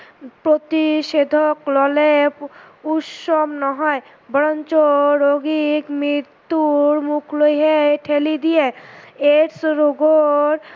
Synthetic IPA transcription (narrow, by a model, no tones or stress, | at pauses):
pɾot̪iʃed̪ʱoklɔle | uʃomnɔɦɔe | bɔɾɔnt͡ɕoɾoɡikmɾit̪ːuɾmukʰlojɦeʈʰelid̪ijeeɾsɾoɡoɾ